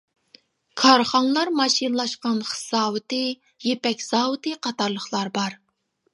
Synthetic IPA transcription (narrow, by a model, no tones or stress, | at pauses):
kʰɑɾχɑŋlˠɑɾmɑʃinlˠɑʃqɑnχə̥sɑːwɨt̪ɨ | jepɛkʲz̥ɑːwɨt̪ɨqʰɑt̪ɑɾlˠəχlˠɑɾbɑɾ